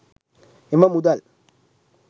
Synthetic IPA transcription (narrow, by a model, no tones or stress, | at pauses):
imamud̪al